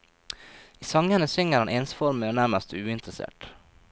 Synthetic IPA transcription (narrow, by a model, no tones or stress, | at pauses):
iːsɑŋənəsʏŋəɾhɑnʔeːnsfɔɾməːoːnæɾməst̪ʉːɪnt̪ɾəsḛːʈ